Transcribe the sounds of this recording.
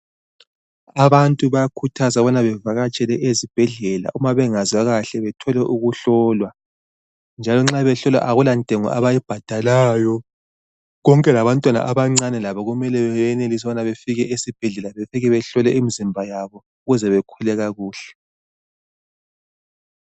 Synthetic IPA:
aβantʼuβajakʰutʰazaβɔnaβɛvaɣat͡ʃʼɛlɛʔezib̥ʱɛɮɛla̰ʔumaβɛŋazwaɣaɬɛβɛtʰɔlɛʔuɣuɬɔlwa | nd͡ʒʱalɔŋ͡ǁaβɛɬɔlwa̰ʔaɣulantʼeŋɔ̰ʔa̰βajib̥ʱad̥ʱalaːjɔ | ɣɔŋkʼɛlaβantʼwana̰ʔaβaŋ͡ǀanɛlaβɔɣumɛlɛβɛɛnelis̬ɔβɔnaβefiɣɛʔesib̥ʱɛɮɛlaβefiɣɛβɛɬɔlɛimizimbʱajaβɔ | uɣuzɛβɛkʰulɛɣaɣuːɬɛ̥

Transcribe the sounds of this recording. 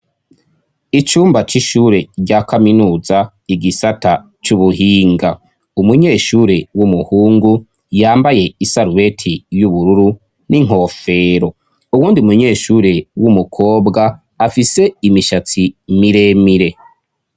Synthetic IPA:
it͡ʃuːmbat͡ʃiʃuːɾe̞ɾɟaːkaminuːza | iɡisata | t͡ʃuβuhiːŋɡa | umuɲe̞ːʃuːɾe̞wumuhuːŋɡu | jaːmbaje̞isaɾuβe̞tʰijuβuɾuɾu | niŋ̥ɦo̞ːfe̞ːɾo̞ | uwuːndiumuɲe̞ːʃuːɾe̞wumukʰo̞ːbɡaː | fise̞imiʃat͡simiɾe̞miɾe̞

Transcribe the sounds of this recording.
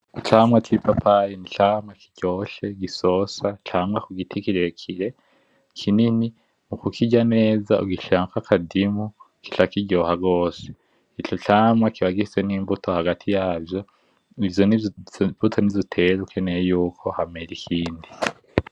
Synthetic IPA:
it͡ʃaːmwakipʰapʰaɾinit͡ʃaːmŋaki̥ɟ̥oːʃe̞ɡiso̞sat͡ʃaːmŋwakuɡitʰikiɾekʰiɾe̞ | kʰinini | mukukʰiɟane̞ːzaṵɡiʃaːŋkakʰadimu | ki̥ʃakiɟo̞ːhaɡo̞ːse̥ | it͡ʃot͡ʃaːmŋakiβaɡiiseniːmbutʰo̞haɡatʰijaːbjo̞ | ijonbutʰonizitʰeɾukenejuːkʰo̞hameɾikʰiːndi

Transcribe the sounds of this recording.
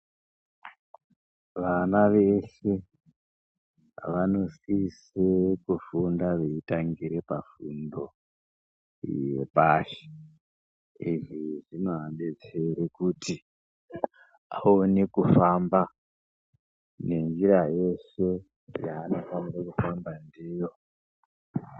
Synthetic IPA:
ʋanaʋese̞ | ʋano̞sis | ekufundaʋeitaŋɡiɾe̞pafundo̞ | jḛpaʃe̥ | iʐiʐinoɦaɓe̞t͡seɾekuti | a̰onekufamba | ne̞nd͡ʒiɾaje̞ʃe̞ | jaːno̞faniɾakufambandiːjo̞

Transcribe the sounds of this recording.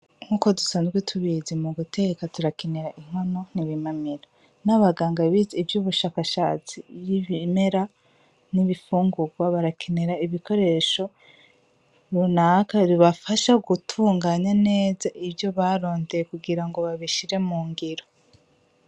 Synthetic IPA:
ŋ̥uːko̞dusaːnzɡwetʰuβizimuɡute̞ɡekatuɾakeneɾaʔiŋ̥hano̞niβimamiɾa | naβaɡaːŋɡaβizivjuːβuʃaːkaʃa̰ːt͡sijiβime̞ɾa | niβifuːŋɡuɡwaβaɾakʰeneɾaiβiko̞ɾe̞ʃo̞ | ɾunakaɾiβafaʃaɡutʰuːŋɡaːɲane̞ːzaʔibjo̞βaɾo̞ːndejekuɡiɾaŋɡo̞βaβiʃiɾe̞muːŋɡiɾo

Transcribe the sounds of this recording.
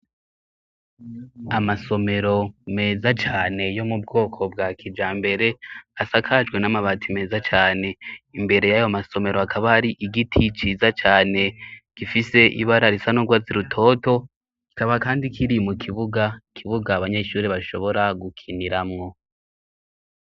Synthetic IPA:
amaso̞me̞ɾo̞me̞ːzat͡ʃaːne̞jo̞mub̚ɡo̞ːkʰo̞bɡaːkʰid͡ʒaːmbe̞ɾe̞asakʰad͡ʒɡwe̞namaβatʰime̞ːzat͡ʃaːne̞imbe̞ɾe̞jajomaso̞me̞ɾo̞akʰaβaaɾiʔiɡitʰit͡ʃizat͡ʃaːne̞ɡ̥ifise̞ʔḭβaɾaɾisanoɡwaziɾutʰo̞ːto̞ | ɡ̥i̥kaβakaːndikʰiɾimukʰiβuɡakʰiβuɡaβaɲe̞ʃuːɾiβaʃo̞βo̞ɾaɡukʰiniɾamŋo̞

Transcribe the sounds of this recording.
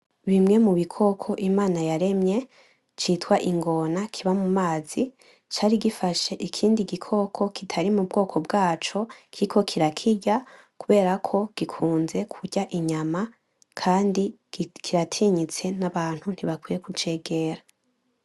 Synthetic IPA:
βimŋe̞muβikʰo̞kʰo̞ʔimaːnajaɾe̞mɲe̞ | t͡ʃiːtwaʔiŋɡo̞nakʰiβamumaːz̥i | t͡ʃaːɾiɡifaʃe̞ʔikʰiːndiɡikʰo̞kʰo̞kitʰaɾimubɡo̞ːkʰo̞bɡaːt͡ʃo̞kʰiikʰo̞kʰiɾakʰiɟa | kuβe̞ːɾakʰo̞ɡ̥ikʰuːnze̞kʰuɟɟaʔiɲama | kʰaːndi | kʰiɾatʰiːɲit͡se̞naβaːn̥hun̥hiβakwiːjekut͡ʃe̞ːɡe̞ːɾa

